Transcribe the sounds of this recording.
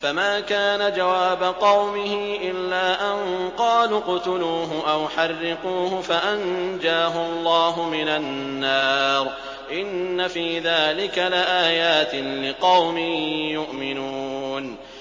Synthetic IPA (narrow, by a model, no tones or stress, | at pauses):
famaːkaːnad͡ʒawaːbaqɑwmɪɦɪʔɪlːaːʔanqɑːluːqʊt̪ʊluːɦʊʔawħɑrːɪquːhʊfaʔand͡ʒaːɦʊɑlˤːɑːɦʊmɪnanːɑːɾ | ʔɪnːafiːðaːlɪkalɪʔaːjaːt̪ɪlɪqɑwmɪjʊʔmɪnuːn